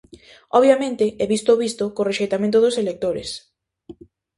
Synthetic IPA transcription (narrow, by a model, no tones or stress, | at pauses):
ɔβjamẽnt̪ɪɛβist̪oβist̪okoreʃejt̪amẽnt̪ʊðʊselek̚t̪oɾḛs